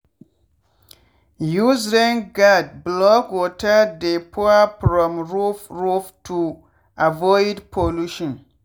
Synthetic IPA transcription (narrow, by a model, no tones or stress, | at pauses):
juzɾɛ̃nɡad̚blɔkwɔtʰadepʰɔapɾɔ̃mɹufɹuftʰu | avɔɪdpʰoluʃɔ̃n